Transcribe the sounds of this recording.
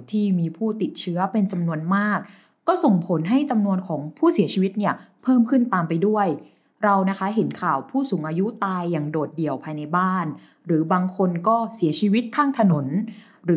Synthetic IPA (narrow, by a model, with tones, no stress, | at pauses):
t̪ʰiː˥˩miː˧pʰuː˥˩t̪i˨˩t̪̚t͡ɕʰɯ˦˥ɐpe˧nt͡ɕa˧mnu˧ənmaː˥˩k̚ː | ɔː˥˩so˨˩ŋpʰo˩˦nɦa˥˩jt͡ɕa˧mnu˧ənkʰɔː˩˦ŋpʰuː˥˩si˨˩˦t͡ɕʰiː˧wi˦˥t̪̚ni˥˩ɐ | pʰɤː˥˩mkʰɯ˥˩nt̪aː˧mpa˧jdu˥˩əj | ɾa˧wna˦˥kʰa˦˥ɦe˩˦nkʰaː˨˩wpʰuː˥˩suː˩˦ŋʔaː˧ju˦˥t̪aː˧jːaː˨˩ŋdoː˨˩t̪̚di˨˩əwpʰaː˧jna˧jbaː˥˩n | ɾɯː˩˦baː˧ŋkʰo˧nkɔː˥˩si˨˩˦t͡ɕʰiː˧wi˦˥t̪̚kʰaː˥˩ŋt̪ʰa˧no˩˦n | ɾɯː˩˦